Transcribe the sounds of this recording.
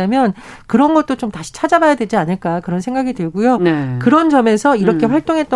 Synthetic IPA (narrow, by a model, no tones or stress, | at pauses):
amjʌnkɯɾʌnɡʌt̚t͈ot͡ɕomtaɕʰi̥t͡ɕʰad͡ʑabajadwe̞d͡ʑianɯɭk͈akɯɾʌnsʰe̞ŋɡaɡitɯɭɡujoekɯɾʌnd͡ʑʌme̞sʰʌiɾʌkʰe̞ɸwaɭt͈oŋɦe̞t̚t͈ʌ